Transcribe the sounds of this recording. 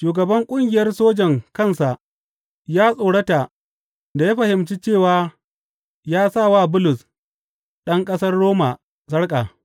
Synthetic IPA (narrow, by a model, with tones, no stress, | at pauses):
ʃuː˨ɡɐ˨bɐ˦ŋkʷʼʊ˦ŋɡʲɪ˨jɐ˦rsoː˦d͡ʒɛ˨ŋkɐ˦˨nsa˨ʔ | jaː˦sʼoː˨ɽɐ˦ta˨ | da˨ja˦ɸɐ˨hɪ˨mt͡ʃi˦t͡ʃeː˦˨waː˨ | jaː˦sa˦˨waː˦˨bʊ˦lʊ˨s | ɗɐ˦ŋkʼɐ˦sɐ˦rɽoː˦ma˨ | sɐ˦ɽkʼa˨